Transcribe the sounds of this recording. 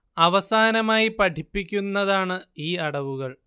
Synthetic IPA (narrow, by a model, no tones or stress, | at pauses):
ɐʋɐsaːnɐmaːjipɐʈʰipːikʲːunːɐðaːɳɨiːɐɽɐʋuɣɐɭ